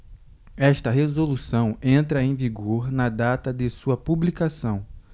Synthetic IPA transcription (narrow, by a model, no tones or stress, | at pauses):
ɛʃt̪ɐɦezolusɐ̃w̃ẽnt̪ɾɐẽj̃viɡoɾnɐd̪at̪ɐd̪ɪsuɐpublikasɐ̃w̃